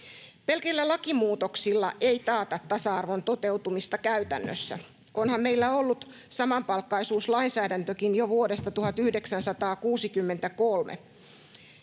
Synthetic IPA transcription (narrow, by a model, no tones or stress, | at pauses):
pelkelːælɑkimuːt̪oksilːɑ̰ʔejt̪ɑːt̪ɑt̪ːɑsɑɑrʋont̪ot̪e̞wt̪umist̪ɑkæyt̪æ̰nːø̰sːæ̰ | ʔonhɑmmeilːæolːut̪ | sɑmɑmpɑlkːɑisuːslɑinsæːdænt̪økinjoʋuodest̪ɑt̪uhɑt̪yhde̞ksænsɑt̪ɑːkuːsikymːent̪ækolmḛ